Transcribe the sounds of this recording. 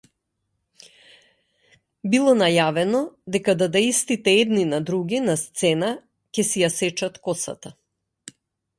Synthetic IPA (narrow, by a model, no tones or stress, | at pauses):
bilˠɔnajavɛnɔd̪ɛkad̪ad̪aist̪it̪ɛɛd̪ninad̪ɾuɡʲinast̪sɛna | cɛsijasɛt͡ʃat̪kɔsa̰t̪a